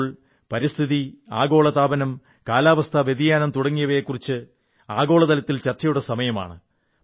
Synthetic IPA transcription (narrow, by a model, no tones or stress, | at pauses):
ɭ | pɐɾist̪ʰiðiaːɡo̞ːɭɐt̪aːbɐnɐm | kaːlaːʋɐst̪ʰɐʋed̪ijaːnɐmt̪uɽɐŋːijɐʋɐjekːurit͡ɕːɨ | aːɡo̞ːɭɐðɐlɐt̪ːilt͡ɕɐrt͡ɕɐjuɽɐsɐmɐjɐma̰ːɳɨ